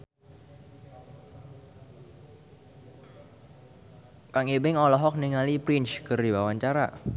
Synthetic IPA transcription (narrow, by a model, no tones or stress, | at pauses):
kaŋebɪŋɔlɔɦɔk̚niŋalipɾɪnt͡ʃkɨrdiwawaɲt͡ʃaɾa̰